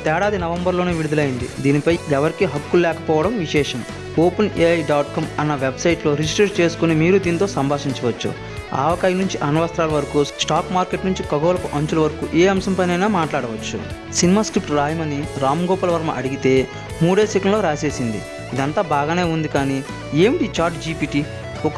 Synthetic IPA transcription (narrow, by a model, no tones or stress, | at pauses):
t̪ɛːɽaːd̪inɐʋɐmbɐɾloːneːʋiɽud̪ɐlɐjind̪ḭd̪iːnipɐjɛʋɐɾikiɦɐkːullɛːkɐpɔːʋɐɽɐmʋiʃɛːʂɐm | oːpɐneːɐjɖaːʈ̚kɐmɐnːɐʋebsɐjʈlo̞ːɾid͡ʒisʈɾɐt͡ʃe̞ːsu̥konimiːɾud̪iːnit̪o̞ːsɐmbʱaːʂiɲt͡ʃɐʋɐt͡ʃːṵ | a̰ːʋɐkɐjɐnuɲt͡ʃiʔɐnɐʋaːst̪ɾaːlɐʋɐɾɐkusʈaːkmaːɾkeʈnuɲt͡ʃikɐɡoːlɐkuʔɐɲt͡ʃulɐʋɐɾɐkuʔeːɐmsɐmpɐjnɐjnaːmaːʈlaːɽɐʋɐt͡ʃːṵ | sinimaːskɾip̚ʈɾaːjɐmɐniɾaːmɡɔːpɐlɐʋɐɾɐmɐ̰ʔɐɽiɡit̪e̞ː | muːɽeːsikɐnlo̞ːɾaːse̞ːsind̪ḭ | id̪ɐnt̪aːbaːɡaːne̞ːund̪ikaːni | eːmiʈiːt͡ʃaːɾʈd͡ʒiːpiːʈi | ɔk